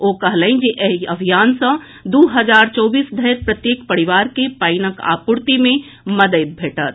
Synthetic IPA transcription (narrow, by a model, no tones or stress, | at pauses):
okəɦləɪ̃nd͡ʒeʔeɦiəbʱijansə̃ | d̪uɦəd͡ʒaɾt͡ʃɔːbiːsd̪ʱəjɾpɾət̪jekpəɾiʋaɾkepaɪnəka̰puɾt̪imẽ | məd̪əjt̪̚bʱeːʈət̪̚